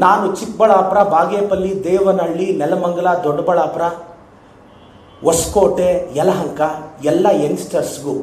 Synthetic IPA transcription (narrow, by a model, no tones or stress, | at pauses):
naːnut͡ʃik̚bɐɭaːpɾɐbaːɡeːpɐlːid̪ɛːʋɐnɐɭːinɛlɐmɐŋɡɐɭɐd̪ɔɖːɐbɐɭaːpɾɐ | ʋɐskoːʈeɛlɐɦɐŋkɐɛlːɐensʈɐɾsɡu